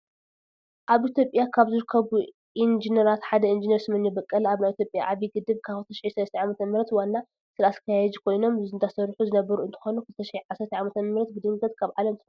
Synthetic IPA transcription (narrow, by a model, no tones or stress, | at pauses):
ʔaβʔit̪ʰjopʼjakʰaβzɨɾɨkʰːɐβu | ʔind͡ʒinɐɾat̪ħad̪ɐind͡ʒinɐɾsɨmɨnjibɐkʼːɐlaβnajit̪ʰjo̞pʼjaʔaβiɡɨd̪ɨβkʰaβft̪ʰɐʃiʕisɐlɐst̪ʰʕamɐt̪ʰɐmɨɾɐt̪wanːa | sɨlasɨ̥kʰɐjaɛzikʰo̞jno̞mɨzɨnt̪ʰasɐɾħuzɨnɐbɐɾuɨnt̪ʰɨ̥xo̞nukʰɨlɨt̪ʰɐʃɪʕiʕasɐɾt̪ʰiʕamɐt̪ʰɐmɨɾɐt̪̚bɨd̪ɨŋɡɐt̪kʰaβʕalɐmt̪ʰɨ